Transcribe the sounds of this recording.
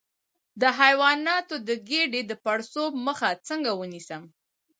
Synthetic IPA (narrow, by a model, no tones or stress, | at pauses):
d̪əɦajwɑnɑt̪od̪əɡeɖed̪əpaɽsob̚məxat͡səŋɡawənisəm